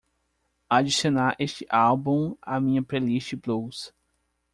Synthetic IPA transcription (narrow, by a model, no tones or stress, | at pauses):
ad͡ʒisionaɾʔeʃt͡ʃɪʔalbũa̰mĩɲɐpɾeliʃt͡ʃɪblows